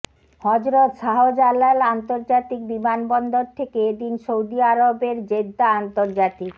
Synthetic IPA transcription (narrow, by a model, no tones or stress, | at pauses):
hɔd͡ʑɾot̪ʃaɦod͡ʑalːalant̪oɾd͡ʑat̪ik̚bimanbɔnd̪oɾt̪ʰekeed̪inʃowd̪iaɾobeɾd͡ʑed̪aant̪oɾd͡ʑat̪ik